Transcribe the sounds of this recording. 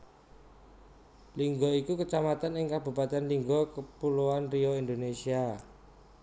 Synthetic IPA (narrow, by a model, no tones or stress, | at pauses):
liŋɡɔikukət͡ʃamat̪anɪŋkab̥ṳpat̪ɛnliŋɡɔkəpuluanriɔind̪onesia